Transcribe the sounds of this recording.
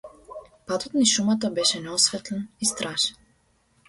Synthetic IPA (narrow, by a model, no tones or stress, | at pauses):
pat̪ɔt̪niʃumat̪̬abɛʃɛnɛɔsvɛt̪lɛnist̪ɾʔaʃɛn